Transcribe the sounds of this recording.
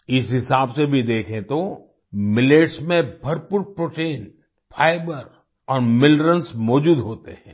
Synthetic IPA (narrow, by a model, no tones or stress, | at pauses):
ɪsɦɪsaːbsebʱid̪eːkʰẽt̪o | mɪleːʈsmẽbʱɐɾpʊɾpɾoːʈeːn | fʰaːɪbəɾ | ɔːɾmɪlɾənsmɔːd͡ʒuːd̪ɦoːt̪ḛɦɛ̃ː